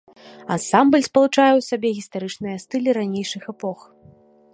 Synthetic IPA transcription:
ansambəlʲspɐlˠut͡ʂajɛwsabʲɛɣʲist̪aɾɨt͡ʂnɨjɐst̪ɨlʲiɾanʲejʂɨxɛpɔx

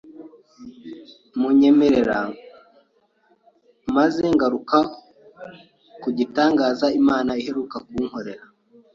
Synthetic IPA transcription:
muɲe̞meɾeɾa | mazeŋɡaɾuka | kuɟitaːŋɡaːzaimaːnaihe̞ɾukakuːŋho̞ɾe̞ɾa

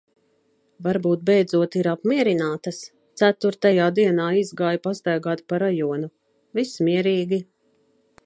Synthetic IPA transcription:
vaɾbuːt̪̚bɛjd̪zuɔt̪iɾapmʲiɛɾinaːt̪ɐs | t̪sæt̪uɾt̪ajaːd̪iɛnaːizɡaːjpast̪ajɡaːt̪paɾajɔɔnu | vismiɛɾiːɡʲi

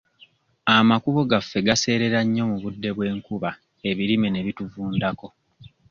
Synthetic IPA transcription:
amakuβo̞ɡafːe̞ɡase̞ːɾe̞ɾaɲːo̞muβudːe̞βwe̞ːŋkuβa | e̞βiɾimene̞βituvuːndako̞

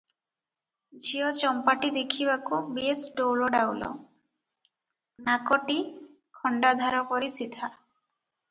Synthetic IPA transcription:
d͡ʒiɔt͡ʃɔmpaʈid̪ekʰiβakubiesɖowɭɔɖawlɔ̰ | nakɔʈi | kʰɔɳɖad̪ʱaɾɔpɔɾisit̪ʰa

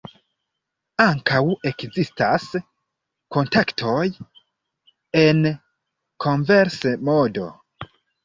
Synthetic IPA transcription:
aŋkawe̞kzistas | ko̞ntaktʰo̞j | e̞n | kʰo̞ɱveɾsemodo̞̰

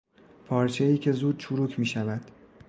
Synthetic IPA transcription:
pʰɒːɾt͡ʃʰe̞iːcʲʰe̞zuːd̪̥̚t͡ʃʰuɾuːcʰmiːʃævæd̪̥

